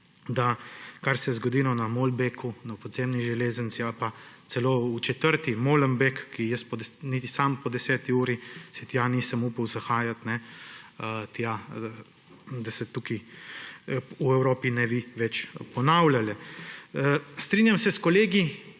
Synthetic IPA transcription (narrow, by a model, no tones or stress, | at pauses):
d̪akaɾsɛzɡɔd̪iːlɔnamolbekʰunapɔd̪zeːmniʒɛleːzənt̪sialpat̪sɛloːut͡ʃɛt̪əɾt̪imoləmbekːijəspɔd̪ɛnit̪isampɔd̪ɛsɛːt̪iuːɾisɛt̪janiːsəmuːpəwzaxaːjat̪nɛ | t̪ja | d̪asɛt̪uki | uɛwɾoːpinɛbiʋɛt͡ʃpɔnawljalɛəst̪ɾiːnjamsɛskɔleːɡi